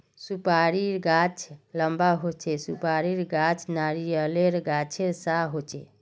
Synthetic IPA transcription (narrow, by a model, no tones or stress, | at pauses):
supaɾiɾɡat͡ʃʰləmbaɦot͡ʃʰesupaɾiɾɡat͡ʃʰnaɾijəleɾɡat͡ʃʰeɾsaɦot͡ʃʰḛ